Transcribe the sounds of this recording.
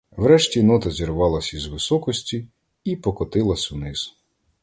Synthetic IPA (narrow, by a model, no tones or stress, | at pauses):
wɾɛʃtʲinɔt̪ɐzʲiɾʋɑlˠɐsʲizʋɪsɔkɔsʲtʲi | ipɔkɔt̪ɪlˠɐsʲʊnɪz̥